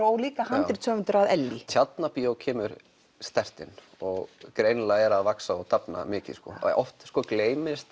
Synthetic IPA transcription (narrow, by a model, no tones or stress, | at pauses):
oːwliːkahanɾɪi̥t̪sœːvʏnt̪ʏɾaðɛlːit̪ʰjat̪napiowcʰɛːmʏɾ | st̪ɛr̥t̪ɪn | ɔɣkɾejnlaɛɾaðvaksaɔt̪ʰapna̰mɪːcɪ̰skɔ̰ɔ̰ft̪skɔːkleːjmɪst̪